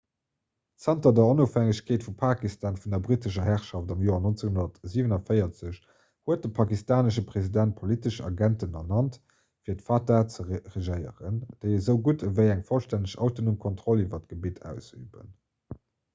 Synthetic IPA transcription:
t͡sæntɐdɛɐonofhæŋəɕkʰeːtfupʰaːkistaːnfundɐbʁitəʃ̬ɐɦæχʃɑftɑmjoːɐnont͡səŋɦunɐtziːvənɑfəɪɐt͡səɕ | huət̚dəpʰɑkistaːnəʃəpʁ̥ezidænt̚pʰolitəʃɑ̰ɡæntənɑnɑnt | fiːɐtfatat͡səʁeʒəɪə̰ʁə̰nd̥əɪəzəʊɡutʰəvəɪæŋfolʃtænəɕɑ̰ʊtonumkʰontχɔlivɐt̚ɡ̥əbitʰæ̰ːʊsy̰ːbə̰n

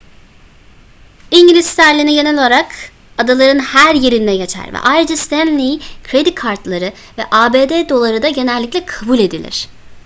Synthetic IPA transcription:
iɲɟilʲist̪æɾlʲiniɟe̞nɛlʲo̞lˠaɾak | ad̪alˠaɾɯnhæɾje̞ɾind̪ɛɟe̞t͡ʃʰæ̰ɾvɛ̰ʔajɾɯd͡ʒast̪ʰænlʲikʰɾe̞d̪ikʰaɾt̪lˠaɾɯ | vɛ̰ʔaːbeːd̪eːd̪o̞lˠaɾɯd̪aɟe̞nɛlʲːiclʲɛkʰabulʲe̞d̪ilʲɪ̰ɾ̥

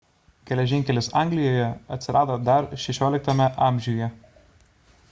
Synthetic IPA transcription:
ɡʲɛlʲɛʒʲɪŋʲkʲɛlʲɪsɑˑŋʲɡlʲɪjoːjɛɐt̪ʲsʲɪɾʔɑːd̪oːd̪ɐɾʃʲɛʃʲoːlʲɪk̚t̪ɐmʲɛʔɑˑmʲʒʲuːjɛ

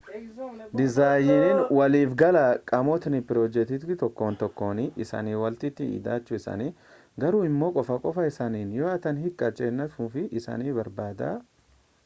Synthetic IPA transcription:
d̪ɪzaːjɪnɪnwɐliːfɡɐlaːkʼɐmɔt̪nɪpɪɾoːd͡ʒɛt̪ɪt̪t̪ɔkːoːnt̪ɔkːo̞ːniʔɪsa̰ːniːwɐlt̪ɪt̪ːɪḭːd̪aːt͡ʃːʊɪsɐ̰ni | ɡɐɾuːɪmːo̞ːkʼɔfɐkʼɔfɐɪsaːniːnjoːɐt̪ɐnhɪkʼːɐt͡ʃʼeːnːɐfuːfɪʔɪsa̰ːniːbɐɾbaːd̪a̰ː

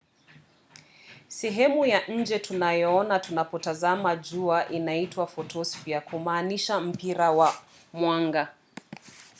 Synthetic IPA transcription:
sɛɦɛmujaʔɲ̩d͡ʒɛtʰunajɔɔnatunapɔtazamad͡ʒuaʔinaitwafɔtʰɔsfiakʰumaːniʃam̩piɾawa | mwaŋɡa

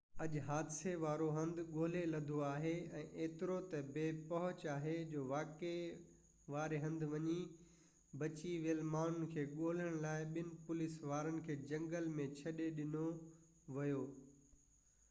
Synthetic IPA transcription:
ɐʄɦaːd̪ɪseʋaːɾoɦɐ̃nd̪ɠoːlelɐd̪ʱoaːɦeɛ̃ːʔeːt̪ɪɾot̪ɐbeːpɐɦʊt͡ɕaːɦed͡ʑoːʋaːke | ʋaːɾeɦɐ̃nd̪ʋɐɲi | bɐt͡ɕiʋeəlmaːɳ̤ʊn̆kʰeːɠoːl̤əɽ̃laːɪɓɪnɪ̆pʊlɪsʋaːɾənɪ̆kʰeːd͡ʑɐ̃ŋɡəlmẽt͡ɕʰɐɗeɗɪno | ʋɐjoː

